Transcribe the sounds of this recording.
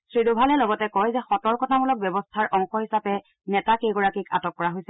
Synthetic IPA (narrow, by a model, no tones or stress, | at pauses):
sɹidobʱalɛlɔɡɔtɛkɔjzɛxɔtɔɹkɔtʰamulɔk̚bjɔbɔstʰaɹʔɔŋxɔhisapɛ | nɛtakejɡɔɹakika̰tɔkːɔɹaɦojsɛ